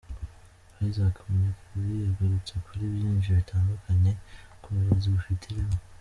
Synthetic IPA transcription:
aɾizakʰamoɲakuuijaɡaɾut͡sekʰuɾiːβjiːnʒiiβitʰaːndukʰaɲe̞kuβiɾaziβufitʰiɾemo

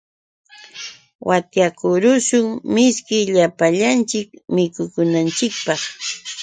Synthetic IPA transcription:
wʔat̪jakʊɾʊʃʊŋmɪskɪʎapaʎant͡ʃɪkmɪkʊkʊnant͡ʃɪk̚pɑχ

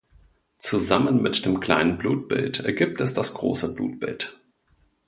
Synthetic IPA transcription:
t͡suzamənmɪtd̥eːmkʰl̥a̰ɪnənbluːt̚b̥ɪ̰ltɛɐɡip̚tɛsd̥asɡ̥ʁo̰ːsəblṵːt̚b̥ɪ̰lt

